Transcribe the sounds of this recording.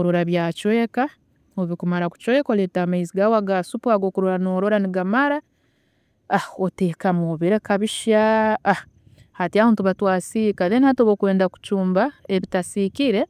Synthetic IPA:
ɾo̞ɾaβjaːcwe̞ːka | oβikumaɾaku̥cwe̞ːkoletamaiziɡawaɡasupuaɡoːkuɾoɾanoːɾo̞ɾaniɡamaɾa | aoteːkamoβeɾekaβiʃaː | hatiaβaːntuβatwaːsikaðenihatoβokwe̞ːndaku̥cuːmbaeβitasikiɾe̞

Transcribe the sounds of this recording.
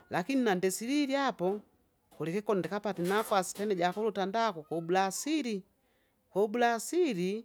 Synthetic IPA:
lakininandɛsiɾiɾiapɔ | kulɛkɛkɔndɛkapatɛnafwasi̥pɛnɛɟakɔlutandakɔkɔbulasiɾi | kɔbulasiɾi

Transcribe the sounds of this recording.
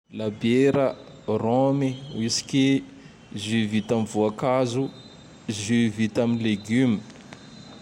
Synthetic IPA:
labeɾa | rɔmiwisi̥kʲi | zivit̪amivuakazu | zyvit̪aminleɡymi

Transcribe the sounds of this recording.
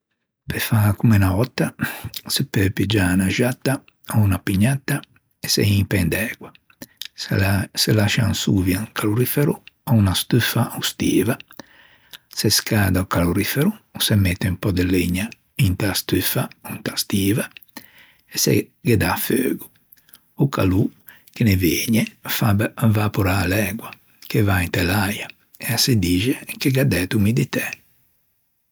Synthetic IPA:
pɛfakumɛnaɔt̪ːasɛpːøpid͡ʒanaʒat̪ːa | ɔunapiɲːat̪ːa | ɛsɛ̰iŋpɛnd̪ɛːɡwa | sɛlaʃa̰nsuːvjaŋkʰaluɾifɛɾuɔunast̪yfaust̪iːva | sɛskaːd̪aɔkaloɾifɛɾuːsɛmɛt̪ːɛumpɔd̪ɛleɲːa | int̪ast̪yfaunt̪ast̪iːva | ɛsɛ̰ɡɛd̪afø̰ːɡu | uka̰lu | keneveːɲɛfabvapuɾaːlɛɡwa | kevaint̪ɛlaja | ɛasid̪iːd͡ʒɛkeɡad̪ɛt̪umid̪it̪ɛ

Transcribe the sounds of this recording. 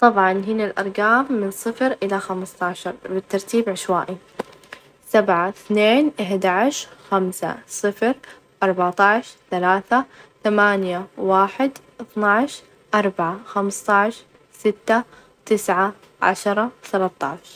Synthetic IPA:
t̪ˤɑbʕɑnɦɪnalʔɑ̰ɾˤɡaːmːɪnsˤɨfɾʔɪlaxamst̪ˤɑːʕʃɑɾˤbɪt̪ːɑɾˤt̪iːbʕɪʃwa̰ːʔi | sabʕaθneːnʔaħd̪aʕʃxamsa̰sˤɨfɾ | ʔɑɾˤbaʕt̪ˤɑʕʃθalaːθaθamaːnjawaːħɪd̪ʔɨθnaʕʃ | ʔɑɾˤbaʕaxamst̪ˤɑʕʃ | sɪt̪ːa | t̪ɪsʕa | ʕa̰ʃɾˤɑwθalat̪ˤːɑ̰ʕʃ

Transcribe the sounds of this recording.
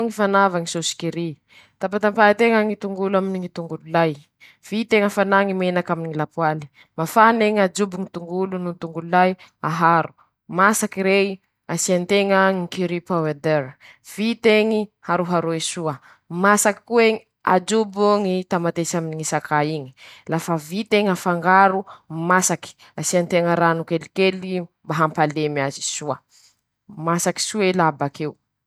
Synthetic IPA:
ŋifanavaŋisosi̥kiɾi | t̪apat̪ampaat̪eŋəŋit̪uŋɡulaminiŋit̪uŋɡululaj | v̥it̪eŋəfanaŋimenakaminiŋilapuwali̥ | mafaneŋad͡ʒubuŋit̪uŋɡulununit̪uŋɡululajaɦaɾu̥ | masakiɾei | asiant̪eŋəŋikiɾipawed̪eɾ | v̥it̪eŋihaɾuɦaɾuesuə | masaki̥kueŋi | a̰d͡ʒubuŋit̪amat̪esaminiŋisakʰaiɲi̥lafəvit̪eŋafaŋɡaɾumasaki̥ | asiant̪eŋəɾanukelikelimbaɦampalemiazisuə | masaki̥suelabakew

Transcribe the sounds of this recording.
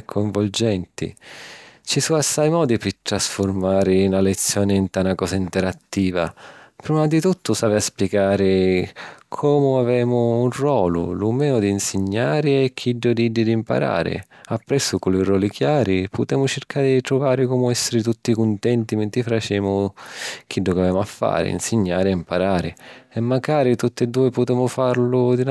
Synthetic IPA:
kʰːoɱvʊld͡ʒɛnt̪ḭ | t͡ʃisuasːajmɔːd̪ipɪt̪ɾasfʊrmaːɾɪnalet̪sːjɔːnɪint̪anakɔːsaint̪ɛɾat̪ːiːva̰pɾiːmad̪it̪ut̪ːʊsaːvɪaspjeɡaːɾɪ | kʰɔːmʊavɛːmʊːnrwɔːlʊ̰lumɛːʊd̪iːnsɪɲːaːɾɪɛkʰːiɖːʊd̪iɖ̪ːɪd̪impa̰ɾa̰ːɾɪ̰ | apːɾɛsːʊkulirwɔːlikjaːɾipʊt̪ɛːmʊt͡ʃɪrkaɾɪd̪it̪ɾʊvaːɾɪkɔmʊɛsːɪɾɪt̪ut̪ːikʊnt̪ɛnt̪imɛnt̪ɪfɾat͡ʃɛːmʊk̟ʰiɖːʊkavɛːmʊafːa̰ːɾɪ̰ḭnsɪɲːaːɾɪaimpaɾaːɾɪ̰ɛmːaɡaːɾit̪ut̪ːɪd̪ːuːɪpʊt̪ɛːmʊfaɾlʊd̪in

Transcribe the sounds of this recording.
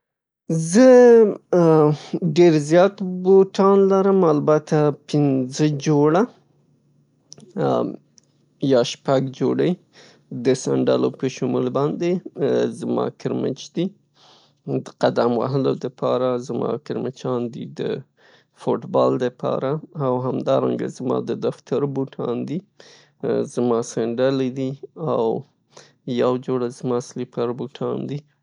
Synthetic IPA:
zə | ɖeɾzjɑt̪boʈɑnlaɾəmalbat̪apɪnzəd͡ʒoɽa | jɑʃpaɡd͡ʒoɽəj | d̪əsa̰ɳɖɑ̰lopəʃʊmulbɑnd̪ezmɑ̰kɪɾmɪ̰t͡ʃd̪i | d̪əqad̪amwa̰ɦəlod̪əpʰɑɾazmɑ̰kɪɾmɪt͡ʃɑnd̪id̪ə̰ | fʊʈbɑld̪əpʰɑ̰ɾaːwɦamd̪ɑɾa̰ŋɡa̰zmɑ̰d̪əd̪aft̪ʰaɾbuʈʰɑnd̪i | zmɑsaɳɖaled̪iaw | jawd͡ʒoɽazmɑslipaɾbuʈʰɑnd̪i

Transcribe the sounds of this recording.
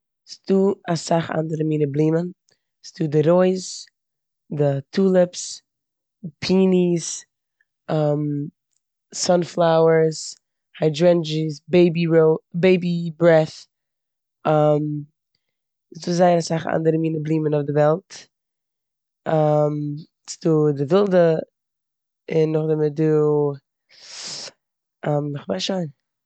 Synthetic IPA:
sduːasaχa̰ndəɾəmiːnəblˠiːmən | sduːdɪɾoɪz | dɪtʰuːlˠəps | pʰiːnis | am | sɔnflˠaʊəɾs | haɪdɹɛnd͡ʒisbeɪbiɹoʊbeɪbibɾɛθ | am | sduːzaɪəɾasaχa̰ndəɾəmiːnəblˠiːmənʊfdɪvɛlˠt | am | sduːdɪvɪlˠdə | ɪnːʊχdɪmɪduː | amɪχvaʃaɪn

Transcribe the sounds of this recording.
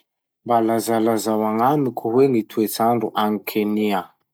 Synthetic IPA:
mbalazalazawaŋamikʲuweŋit̪ʰuet͡saɳɖ͡ʐuʔaŋikʰenia

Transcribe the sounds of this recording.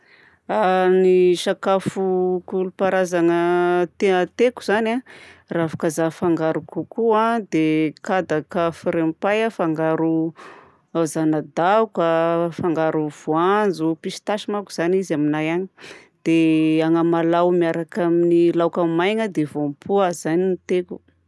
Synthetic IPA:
aniʃakafukulupaɾazaŋət̪eət̪eku̥z̥anaravḁkazafaŋɡaɾukukuad̪ekad̪akafuɾempajafaŋɡaɾu | azanad̪akafaŋɡaɾuv̥uand͡zupisi̥t̪aʃimakuz̥anizaminajani | d̪̥eaŋəmalawmiaɾakaminilawkamajŋəd̪evompʰuaz̥aniit̪eku̥

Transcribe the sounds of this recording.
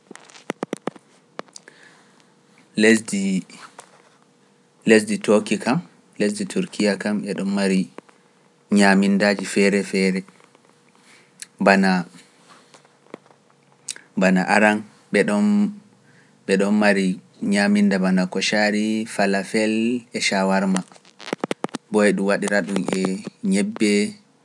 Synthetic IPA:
ld | les̬ditokikam | les̬ditʰuɾkʰijakamɓɛɗɔnmaɾi | ɲamindaːd͡ʒifɛɾɛfɛɾɛ | bana | bana̰ʔaɾan | ɓɛɗɔn | ɓɛɗɔnmaɾi | ɲamindabanakɔʃaɾifalafɛlɛʃawaɾma | bɔjɛɗumwaɗiɾaɗunɛɲɛbːɛ

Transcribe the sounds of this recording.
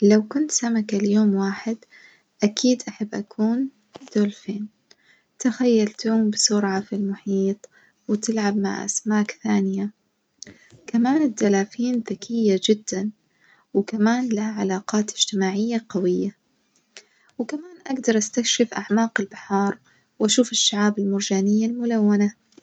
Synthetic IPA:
lawkʊnt̪samakaljoːmwaːħɪd̪ | ʔakʰiːd̪ʔaħabːʔakʰuːn | d̪̥oːlfeːn | t̪axajːalt̪uːmbɪsʊɾʕafilmʊħiːt̪ˤ | wɪt̪ɪlʕabma̰ʕʔa̰smaːkθaːnɪja | kamaːnɪd̪ːalaːfiːnðakʰɪjːad͡ʒɪd̪ːan | wkamaːnlahaʕalaːqɑːt̪ɪd͡ʒ̥t̪ɪmaːʕɪjːaqɑwɪjːa | wɪkamaːnʔaɡd̪ɑɾˤʔast̪akʃɪfʔaʕmaːqɪlbaħɑːɾˤ | wʔaʃuːfɪʃːaʕaːbɪlmʊɾd͡ʒaːnɪjːalmʊlawːana

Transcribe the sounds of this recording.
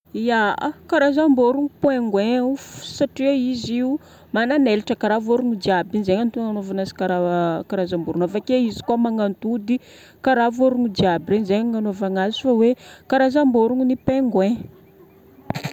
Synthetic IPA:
iakaɾazamboɾuŋipweŋɡwẽsaʈ͡ʂiaiziu | mananeliʈ͡ʂəkaɾavoɾuŋid̪iabinzeɲant̪uŋanovanasi̥kaɾakaɾazambuɾunafakeizi̥kuamaŋant̪ud̪i | kaɾavoɾuŋid͡ʒ̪iabirenzeɲŋanovaŋazi̥fawekaɾazamboɾuŋinipeŋɡwẽ

